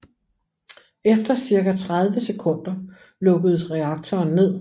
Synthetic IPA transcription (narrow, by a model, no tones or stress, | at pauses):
efd̥ɐsiɐkæt͡sʰʁað̞ˠʋəse̝kʰɔ̽n̰d̥ɐ | lɔ̽ɡ̥əð̞̩ˠsʁɛɑ̈ɡ̥̚t͡sʰɒːnːe̝ð̰ˠ